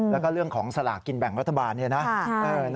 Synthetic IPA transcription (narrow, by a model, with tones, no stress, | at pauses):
lɛː˦˥˩wkɔː˥˩ɾɯ˥˩əŋkʰɔː˩˦ŋsa˧la̰ː˨˩kːi˧nbɛ˨˩ŋɾa˦t̪ʰːa˧baː˧nːi˥˧˩na˦˥ʔɤː˧n